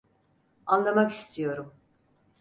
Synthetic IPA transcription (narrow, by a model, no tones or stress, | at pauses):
anlˠamaki̥st̪ʰijo̞ɾum